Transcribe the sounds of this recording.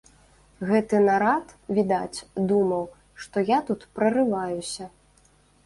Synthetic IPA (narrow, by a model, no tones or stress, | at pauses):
ɣɛt̪ɨnaɾat̪vʲid̪at͡sʲd̪umɐw | ʂt̪ɔjat̪ut̪pɾɐrɨvajusʲɐ